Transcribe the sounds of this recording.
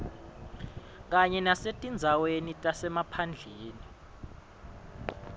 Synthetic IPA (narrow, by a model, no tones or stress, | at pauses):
k̬ʼaɲɛnasetʼind͡zʱawenitʼasɛmapʰand͡ɮʱeːni